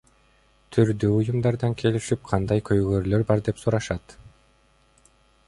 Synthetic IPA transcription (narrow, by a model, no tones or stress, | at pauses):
t̪ʰyɾd̪yujumd̪ɑɾd̪ɑŋkʰe̞liʃip̚qʰɑnd̪ɑjkʰøjɡøɾløɾbɑɾd̪e̞psuɾɑʃɑt̪